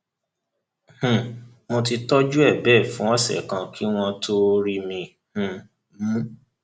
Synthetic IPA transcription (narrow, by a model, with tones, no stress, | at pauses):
h̩˨ | mo˧ti˧tɔ˦d͡ʒu˦ɛ˦˨bɛ˦˨fũ˦ɔ˦˨sɛ̰˨kã˧kʰi˦w̃ɔ̃˧tʰo˦ɾi˧mĩ˧ | h̩˨ | mũ˦